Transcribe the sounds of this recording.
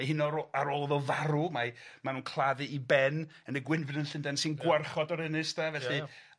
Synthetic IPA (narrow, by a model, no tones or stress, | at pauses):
ahɪnɔɾaɾolˠðɔvaɾumamanuːnkʰlˠaðɨibɛnənəɡwɪnvɨnənɬɪndɛnsɪnɡwarχɔdɔɾɛnɪstʰavɛɬi